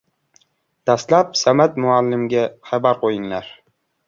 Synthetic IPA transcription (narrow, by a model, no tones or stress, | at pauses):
d̪̥ast̪lapsamat̪mʊalːɪmɡʲaχabaɾqʰojɪŋlaɾ